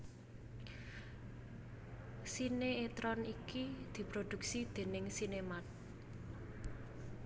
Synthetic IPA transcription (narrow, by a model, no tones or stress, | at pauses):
sineet̪ɾɔnikid̪̥i̤pɾod̪̥ṳksid̪̥e̤nɪŋsinemat̪̚